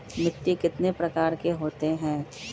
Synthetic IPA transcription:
mɪt̪ːikɪt̪nepɾɐkaːɾkeɦoːt̪eɦɛ̃ː

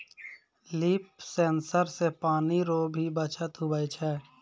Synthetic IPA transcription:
liːpsẽːnsəɾsepaːniɾoːbʱibət͡ʃʰət̪ɦʊbəjt͡ʃʰɛː

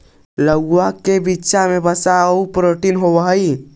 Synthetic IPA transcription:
ləɡakebitːʃamebəsaəupɾoʈinɦobəɦəi

